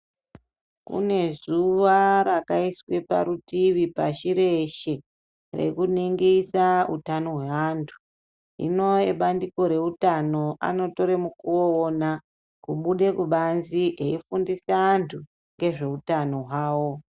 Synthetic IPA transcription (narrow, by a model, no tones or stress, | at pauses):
kṵne̞zuʋaɾakaiswe̞pa̰ɾutiʋipaʃiɾeʃe̞ | rḛkuniŋɡesaṵtano̞ɦwe̞antʰu̥ | ḭno̞eɓandiko̞ɾe̞utano̞ʔa̰no̞to̞ɾemukuoona | kuɓuɗe̞kuɓanziʔe̞ifundisaːntʰu | ŋɡe̞ʐe̞utano̞ɦwaːwo̞